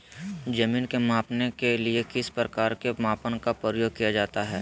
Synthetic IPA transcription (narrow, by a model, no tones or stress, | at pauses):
d͡ʒɐmiːnkemaːpnekeliekɪspɾəkaːɾkemaːpənkapɾəəjoːɡ̚kijad͡ʒaːt̪aɦɛ̰ː